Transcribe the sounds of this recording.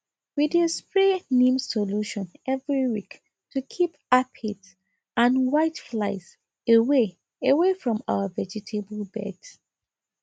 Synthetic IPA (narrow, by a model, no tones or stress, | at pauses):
widespɹenĩmsoluʃɔ̃nɛvɹiwik | tʰukʰipapʰid | ãnwaɪtflaɪs | ewe | ewefɹɔ̃ma̰ʊəvɛd͡ʒitʰeblbɛ̰d